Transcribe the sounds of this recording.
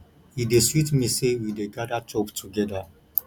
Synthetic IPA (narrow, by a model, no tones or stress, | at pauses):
ideswitʰmisewideɡaɾat͡ʃʰʼoptʰuɡɛda